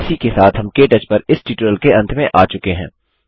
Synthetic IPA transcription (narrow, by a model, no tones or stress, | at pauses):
sikesaːt̪ʰɦɐmkeːʈɐt͡ʃpɐɾɪsʈiːʈɾəlkeɐ̃nt̪ʰmẽʔaːt͡ʃʊkeɦɛ̰̃ː